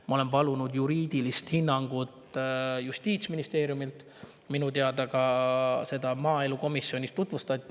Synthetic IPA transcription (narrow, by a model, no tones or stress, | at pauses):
mɑo̞le̞mpɑlunud̪juɾiːd̪̥ilist̪hinːɑŋɡ̥ut̪just̪iːt̪sminist̪e̞ːɾjumilt̪ | minut̪eɑd̪̥ɑkɑse̞d̪̥ɑmɑːe̞luko̞misːjo̞nʲist̪ːut̪vust̪ɑt̪ʲːˑi